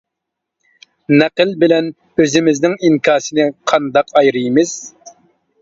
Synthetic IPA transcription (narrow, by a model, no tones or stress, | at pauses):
nɛqəlbɪlɛn | øzɪmɪznɪŋiŋkʰɑːsɨnɨqʰɑnd̪ɑqɑjɾɨjmɪz̥